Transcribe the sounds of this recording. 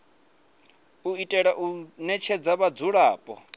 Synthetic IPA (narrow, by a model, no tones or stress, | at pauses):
uitʼɛɺaʔunɛt͡ʃʰɛd͡zaβad͡zuɺaːpʼɔ